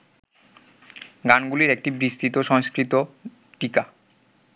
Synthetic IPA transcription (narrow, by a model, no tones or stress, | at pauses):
ɡanɡuliɾek̚ʈibɾiʃt̪it̪oʃɔŋskɾit̪o | ʈika